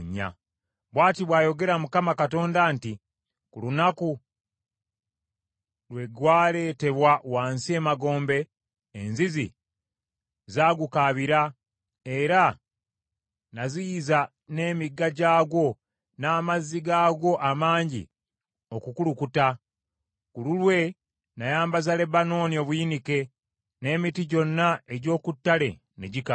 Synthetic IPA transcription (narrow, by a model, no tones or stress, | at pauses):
ɲːa̰ | βwaːtiβwaːjo̞ɡe̞ɾamukamakato̞ːndanti | kulunaku | lwe̞ɡwaːle̞ːte̞βwawaːnsie̞ːmaɡo̞ːmbe̞ː | nzizḭ | zaːɡukaβiɾa | e̞ɾa | nazijiza | ne̞ːmiɡːaɟaːɡo̞ | naːmazːiɡaːɡo̞ʔamaːɲɟḭ | okukulukuta | kululwe̞ | najaːmbazale̞bano̞ːnio̞ːβujinike̞ | ne̞ːmitiɟo̞nːae̞ɟo̞ːkutːale̞ | neɟika